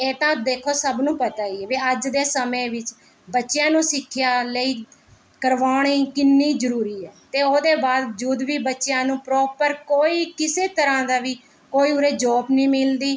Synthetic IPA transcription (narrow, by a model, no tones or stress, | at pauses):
eːt̪ãːd̪eːkʰoːsəbnũːpət̪aːiːɛʋiːəd͡ʒd̪eːsəmẽːʋɪt͡ʃ | bətːʃjãːnũːsɪkʰːjaːləiː | kəɾʋaːɳiːkɪnːiːzəɾuːɾiːɛːt̪eːoːd̪eːbaːd̪d͡ʒuːd̪ʋiːbətːʃjãːnũːpɾɔːpəɾkoːiːkɪseːt̪əɾãːd̪aːʋiː | koːiːʊɾeːd͡ʒɔːbnĩːmɪld̪iː